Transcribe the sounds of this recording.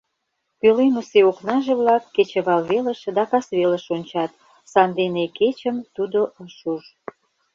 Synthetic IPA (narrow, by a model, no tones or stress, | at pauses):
kølenoseoknɑʒeβlɑkːet͡ɕə̆βɑlβelə̆ʃd̪ɑkɑsβeləʃonʲt͡ɕɑt̪ | sɑnd̪eneket͡ɕəmt̪ud̪oʔəʃuʒ